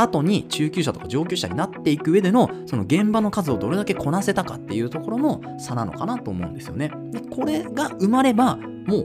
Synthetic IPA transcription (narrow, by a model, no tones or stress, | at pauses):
at̪o̞ɲ̟it͡ɕɨːkʲɨːɕ̬at̪okad͡ʑo̞ːkʲɨːɕa̰ɲ̟inat̪ːe̞ikɯ̟ɯːe̞d̪e̞no̞so̞no̞ɡẽ̞mbano̞kazɨo̞d̪o̞ɾe̞d̪ake̞kʰo̞nase̞t̪akat̪ːe̞jɯ̟ːt̪o̞ko̞ɾo̞no̞ | sanano̞̰kanat̪o̞ːmo̞̰ɯ̟̃nd̪e̞sɨjo̞̰ne̞ | d̪eko̞ɾe̞ɡaɯ̟maɾe̞ba | mo̞ː